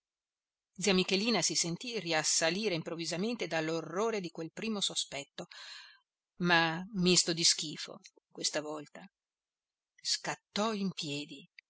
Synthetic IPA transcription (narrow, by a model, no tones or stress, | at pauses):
d̪ziːamikeliːnasisent̪iriasːaliːɾeimpɾovːizament̪ed̪alːorːoːɾed̪ikwelpɾiːmosospɛt̪ːo | mamist̪od̪isk̟iːfo̰ | kwest̪avɔlt̪a | skat̪ːɔimpjɛːd̪i